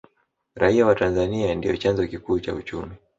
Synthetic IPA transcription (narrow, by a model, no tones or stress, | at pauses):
ɾaiawatanzaniandijɔt͡ʃanzɔkikuːt͡ʃa̰ut͡ʃumi